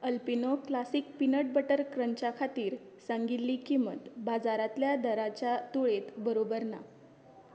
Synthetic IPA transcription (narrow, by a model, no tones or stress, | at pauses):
əlpinoklasiːk̚pinəʈ̚bəʈəɾkɾənt͡ɕakʰat̪iːɾ | sãŋɡit̪ːiːkimə̰t̪bad͡zaɾat̪ljad̪əɾat͡ɕjat̪uɭet̪bəɾobəɾna̰